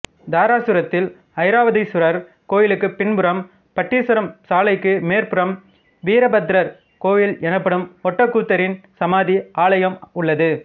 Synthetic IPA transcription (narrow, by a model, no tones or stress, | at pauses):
d̪aːɾaːsɯɾɐt̪ːɪl | ɐɪɾaːʋɐðɐɪsʊɾɐɾ | koːjɪlɯkːɯpɪnbɯɾɐm | pɐʈːiːsɯɾɐmsaːlɐɪkːɯmeːɾpɯɾɐm | ʋiːɾɐbɐt̪ɪɾɐɾ | koːjɪlɛnɐpːɐɽɯmɔʈːɐkːuːt̪ːɐɾɪnsɐmaːðiʔaːɭɐjɐmʊɭːɐðɯ